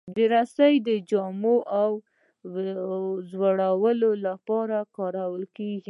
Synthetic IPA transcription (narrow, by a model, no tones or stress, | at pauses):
d̪əɾasajd̪əd͡ʒɑmoʔaw | zwaɽawəlolapɑɾakɑɾawəlkeɡi